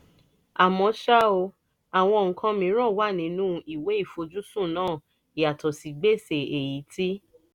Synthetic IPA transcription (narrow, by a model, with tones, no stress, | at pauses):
a˨mɔ̃˧ʃa˦o˧ | a˨w̃ɔ̃˧˨ŋ̩˨kʰã˧mĩ˧˦ɾ̃ɔ̃˦˨wa˦˨nĩ˨˧˦nũ˦i˦˨we˨˦i˦˨fo˧d͡ʒu˦sũ˦˨nãː˦˨ | i˨a˨tɔ˨si˨˦ɡ͡be˦˨se˨e˨ji˨˦tʰi˦